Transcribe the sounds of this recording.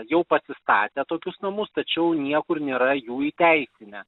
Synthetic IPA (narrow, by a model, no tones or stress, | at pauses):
jɛʊpɐsʲɪst̪ɑːt̪ʲɛːt̪oːkʲʊsnɐmʊst̪ɐt͡ʃʲɛʊnʲiɛkʊrnʲeːɾɐjuːiːt̪ʲɛɪsʲɪnʲɛ